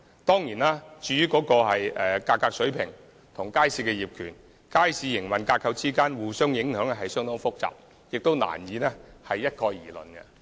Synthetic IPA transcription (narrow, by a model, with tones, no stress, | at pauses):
t̪ɔː˥ŋjiː˨˩naː˥t͡ʃyː˧jyː˥kɔː˨˥kɔː˧ɦɐ˨jʔɛː˨kaː˧kːaː˧k̚sɵ˨˥ɥpʰɪ˨˩ŋ | t̪ʰʊ˨˩ŋkaː˥jsiː˧t̚kɛː˧jiː˨p̚kʰyː˨˩n | kaː˥jsiː˧jɪ˨˩ŋmɐ˨˩nkaː˧t̚kʰːɐ˧wt͡siː˥kaː˥nwuː˨sœː˥ŋjɪ˨˥ŋɦœː˨˥ŋɛ˥ɦɐ˨jsœː˥ŋt̪ʊ˥ŋfʊ˥k̚t͡sa̰ː˨p̚ | jɪ˨k̚t̪o˥wna̰ː˨˩njiː˨˧nɛ˥hɐ˨jːɐ˥t̚kʰɔː˧jjiː˨˩lɵ̰˨˩nkɛ̰˧